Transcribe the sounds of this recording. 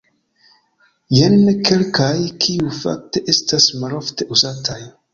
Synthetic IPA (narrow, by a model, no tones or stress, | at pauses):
jenke̞lkajkʰiufa̰k̚te̞ʔestasmalo̞fte̞ʔuzatʰaj